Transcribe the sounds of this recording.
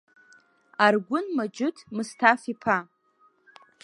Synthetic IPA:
arɡʷʊnmad͡ʒʊtʰmɨstʰafipʰa

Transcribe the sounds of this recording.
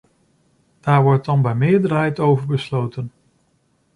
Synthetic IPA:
d̥aːɹʋɔɹt̚dɑnbɛjmɪːɹdəɹɦɛjtowvəɹbəslowtən

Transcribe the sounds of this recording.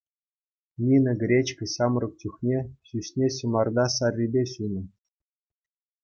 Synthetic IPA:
nʲinʲɤ̆ɡʲrʲet͡ɕkʲɘ̆ɕɑmrɤ̆k̚t͡ɕʲuxnʲeɕysʲnʲeɕɤ̆mɑrd̪ɑsɑrʲːibʲeɕunɤ̆

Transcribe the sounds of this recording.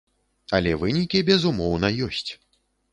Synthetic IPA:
ɐlʲɛvɨnʲikʲibʲɛzumɔwnɐjɔsʲt͡sʲ

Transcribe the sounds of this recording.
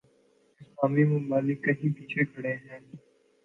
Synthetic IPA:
ɪspaːmimʊmbaːlɪkːɐɦĩpiːt͡ʃʰekʰɐɽeɦɛ̃ː

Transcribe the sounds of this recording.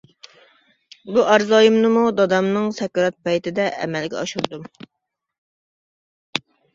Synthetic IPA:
buʔæɾzɑːjimnɨmud̪ɑd̪ɑmnɨŋsɛkɑɾɑt̪̚pɑjt̪ʰɪd̪ɛʔɛ̰mɛlɡʲɛɑʃuɾd̪um

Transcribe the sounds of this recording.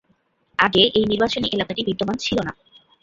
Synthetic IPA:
aɡeʔejniɾbat͡ɕoniʔelakaʈibʱid̪ːomant͡ɕʰilona

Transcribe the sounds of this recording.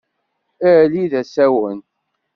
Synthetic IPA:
æliðæsæwən

